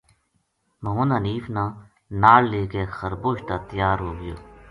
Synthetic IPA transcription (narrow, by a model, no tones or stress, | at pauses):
məɦõːnaːniːfnãː | naːlleːkeːxəɾboːʃt̪aːt̪əjaːɾɦoːɡəjo̰ː